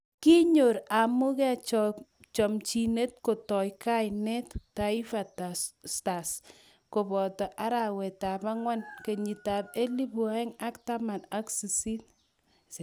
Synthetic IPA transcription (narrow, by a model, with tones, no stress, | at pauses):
ki˦ɲo˨ɾa˨mu˦kɛ˦t͡ʃɔ | t͡ʃɔ˨mt͡ʃi˨ne˦t̚ko˨tɔ˨jka˦jnɛ˦tta˨i˦fa˨tassta˨s | ko˨bɔ˨tɔ˨ʔa˦ɾa˨wɛ˨ta˨pa˦ŋwa˦nke˨ɲi˨ta˨pe˦li˦bu˨a˦ɛ˦ŋa˦kta˦ma˨na˦ksi˨si˦t